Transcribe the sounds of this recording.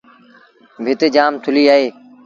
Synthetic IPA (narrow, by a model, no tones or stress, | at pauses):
bʱɪt̪ed͡ʒaːmt̪ʰʊliːaːɦeː